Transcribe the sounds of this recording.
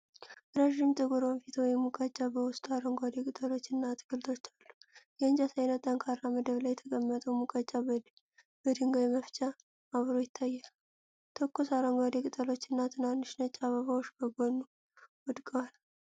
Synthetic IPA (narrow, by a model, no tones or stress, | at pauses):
ɾaʒɪmt͡ʃʼəɡuɾonfit̪ʰwjmukʼət͡ʃʼːabəwʊst̪ʼaɾəŋɡʷad̪ekʼɨt̪ʼəlo̞t͡ʃːɨnːat̪ʰɨɡɨlt̪ʰo̞t͡ʃːalːu̥jɛɨnd͡ʒasajnət̪ʼːaŋkʰaɾːaməd̪əβlajːɛt̪ʰəkʼəmːət̪ʼumukʼət͡ʃʼːa | b̥əd̪ɨŋɡajɛməft͡ʃʼa | aβɾo̞jɪt̪ʰːajːal | t̪ʰokʰːosaɾoŋɡʷad̪ekʼɨt̪ʼəlo̞t͡ʃːɨnːat̪ʰɨnːanɨʃnət͡ʃʼːaβəβawoʃbəɡonːu | wɔd̪kʼəwal